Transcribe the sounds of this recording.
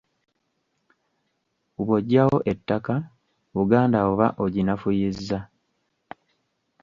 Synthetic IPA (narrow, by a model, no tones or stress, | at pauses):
uβoɟːawo̞ʔe̞tːaka | βuɡaːndaoβaʔo̞ɟinafujizːa